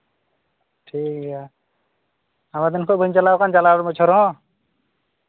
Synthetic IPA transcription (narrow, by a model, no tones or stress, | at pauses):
ʈʰika | amad̪ɛnkʰɔʔbʱəɲt͡ʃalakand͡ʒalaɾmɔt͡ʃʰɔɾɔɦɔ̃